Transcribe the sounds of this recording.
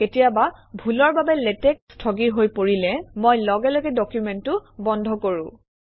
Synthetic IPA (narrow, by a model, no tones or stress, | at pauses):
ketijababʱulɔɹbabɛletɛk̚stʰɔɡiɦojpoɹilɛmojlɔɡɛloɡɛdɔkjumɛntʊbɔndʱɔkoɹʊ̰̃